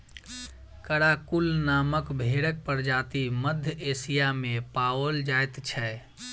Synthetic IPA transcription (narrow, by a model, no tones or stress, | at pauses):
kəɽakulnaməkbʱeɽək̚pəɾd͡ʒat̪iməd̪ʱjəesijamepawəld͡ʒajt̪t͡ʃʰɛ